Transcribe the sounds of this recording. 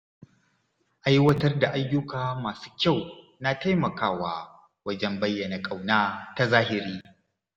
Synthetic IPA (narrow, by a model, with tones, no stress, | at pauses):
ʔa˦jwɐ˦tɐ˦rda˨ʔa˦jːʊ˦kaː˨maː˨su̥ː˦kʲa˦˨w | na˦ta˦jmɐ˨kaː˦waː˦ | wɐ˦d͡ʒɛ˦mbɐ˦jːɐ˨na˨kʼa˨wnaː˦ta˦zaː˦hɪ˨ɾiː˦